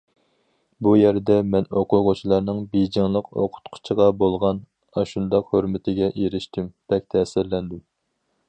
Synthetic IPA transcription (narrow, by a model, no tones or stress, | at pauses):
bujɛɾd̪ɛmɛnoqʰʊʁʊt͡ʃʰilˠɑɾnɨŋbejd͡ʒɪŋlˠəqo̰qʰʊ̥t̪qʰʊ̥t͡ʃʰiʁɑbolˠʁɑn | ɑʃund̪ɑqhøɾmɪt̪ʰɪɡʲɛʔeɾɪʃt̪ymb̥ɛk̚ʲt̪ʰɛsɪɾlɛnd̪ɪm